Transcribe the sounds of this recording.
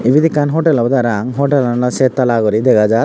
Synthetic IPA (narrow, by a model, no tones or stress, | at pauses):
iʋid̪ikanɦoʈelɐbd̪aɾaŋɦoʈelanlaset̪ːɐlaːɡɔɾid̪ɛɡad͡ʒaɾ